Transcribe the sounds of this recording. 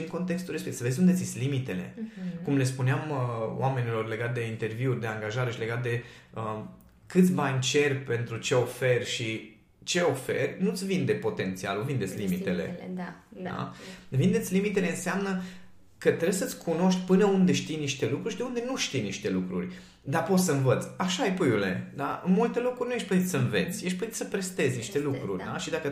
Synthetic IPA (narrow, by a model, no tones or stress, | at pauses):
ɨŋko̞nt̪e̞kst̪ulɾespesəve̞zʲund̪et̪sit̪sʲlimit̪e̞le̞̰kumle̞spuneaməw̰ʔame̞nilo̞rle̞ɡat̪̚d̪e̞int̪e̞rviurʲd̪e̞aŋɡaʒaɾe̞ʃile̞ɡat̪̚d̪e̞ə | kɨt̪sʲbanʲt͡ʃe̞rʲpe̞nt̪ɾut͡ʃe̞o̞fe̞rʲʃi | t͡ʃe̞o̞fe̞̰rʲnut̪sʲvind̪e̞po̞t̪e̞nt̪sia̰luvind̪et̪sʲlimit̪e̞le̞̰d̪d̪a̰vind̪esʲlimit̪e̞le̞ɨnseamnə | kət̪ɾebjsət̪sʲkʰuno̞ʃt̪ʲpɨnəund̪e̞ʃt̪ijniʃt̪e̞lukɾuɾʲʃid̪eund̪e̞nuʃt̪ijniʃt̪e̞lukɾṵrʲ | d̪apo̞t̪ssəɨnvət̪sʲaʃajpɨjule̞̰d̪a̰ɨ̰nmult̪e̞lo̞kɾuɾʲrnujeʃʲplət̪it̪səɨnve̞̰t̪sʲjeʃplət̪it̪səpɾest̪e̞zniʃt̪e̞lukɾurʲd̪a̰ʃid̪akə